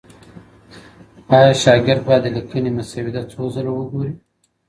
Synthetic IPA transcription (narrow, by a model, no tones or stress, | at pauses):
ɑjɑʃɑɡɪɾd̪̚bɑjd̪əlikənimʊsawɪd̪at͡sozəlowəɡoɾi